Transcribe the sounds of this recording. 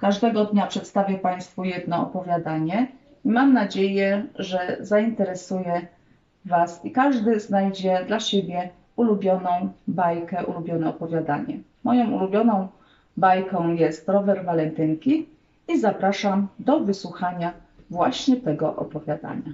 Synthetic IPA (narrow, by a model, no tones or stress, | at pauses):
kaʐd̪ɛɡɔd̪ɲapʂɛt̪st̪avʲjɛpaj̃st̪fujɛd̪nɔɔpɔvʲjad̪aɲɛ | imamnad͡ʑejɛʐɛzaint̪ɛɾɛsujɛ | vasikaʐd̪ɘznajd͡ʑɛd̪laɕebʲjɛ | ulubʲjɔnɔ̃w̃bajkɛʔṵlubʲjɔnɛɔpɔvʲjad̪a̰ɲɛ̰mɔjɔ̃w̃ulubʲjɔnɔ̃w̃ | bajkɔ̃w̃jɛst̪ɾɔvɛɾvalɛnt̪ɘŋkʲi | izapɾaʂamd̪ɔvɘswuxaɲa | vwaɕɲɛt̪ɛɡɔʔɔ̰pɔvʲjad̪a̰ɲa